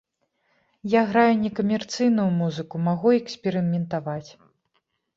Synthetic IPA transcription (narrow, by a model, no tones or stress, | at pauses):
jaɣɾajunʲɛkɐmʲɛrt̪sɨjnujumuzɨkumaɣuɛksʲpʲɛɾɨmʲɛnt̪avat͡sʲ